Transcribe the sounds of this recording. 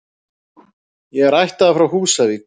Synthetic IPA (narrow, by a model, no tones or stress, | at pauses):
jɛɣɛɾajht̪aðafɾawhuːsavik